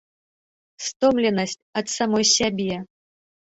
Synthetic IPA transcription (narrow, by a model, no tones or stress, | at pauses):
st̪omlʲɛnɐsʲtʲɐt̪samojsʲabʲɛ